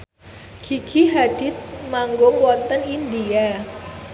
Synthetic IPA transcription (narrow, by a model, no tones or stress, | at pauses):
kʰiɡʰiɦad̥ɪt̪̚maŋɡʊŋwɔt̪ənindia